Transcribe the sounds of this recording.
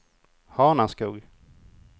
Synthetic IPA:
hɑːnaskuːɡ

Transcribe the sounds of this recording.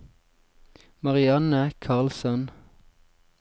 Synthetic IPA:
mɑʁɪɑnəkʰɑʁlsɔn

